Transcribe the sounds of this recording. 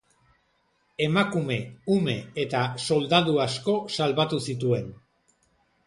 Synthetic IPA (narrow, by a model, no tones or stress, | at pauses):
e̞makume̞ume̞et̪aso̞ld̪aðuasko̞salβat̪usit̪̬ue̞n